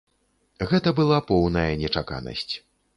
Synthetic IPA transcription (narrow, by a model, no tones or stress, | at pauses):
ɣɛt̪ɐbɨlˠapɔwnɐjɐnʲɛt͡ʂaka̰nɐ̰sʲt͡sʲ